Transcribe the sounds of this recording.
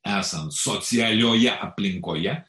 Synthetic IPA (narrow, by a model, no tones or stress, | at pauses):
æːsɐnt̪soːt̪sʲɪɑlʲoːjɛʔɐpʲlʲɪŋkoːjɛ